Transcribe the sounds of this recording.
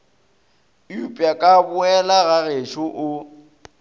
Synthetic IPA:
jupʼjakʼabʊɛlaɣaɣeʃʊʔʊ

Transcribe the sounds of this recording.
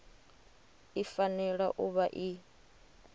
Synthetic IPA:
ifanɛɺaʔuβaʔi

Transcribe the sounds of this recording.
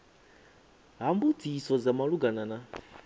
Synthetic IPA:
ɦambutʰisɔd͡zamaluɡanana

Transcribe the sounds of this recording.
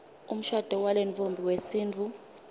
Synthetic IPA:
um̩ʃad̥ʱɔwalenfombʱiwesiːnt͡fʰu

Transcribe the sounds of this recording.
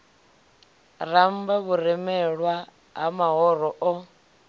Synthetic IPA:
rambaβuɾɛmɛɺwa | ɦamaɦɔɾɔʔɔ

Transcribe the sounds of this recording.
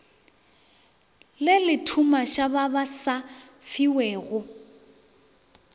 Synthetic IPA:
lɪlɪtʰumaʃaβabasa | fiwɛːɣʊ

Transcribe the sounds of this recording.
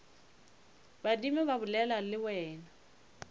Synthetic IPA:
badimɛβabʊlɛlalɪwɛːna

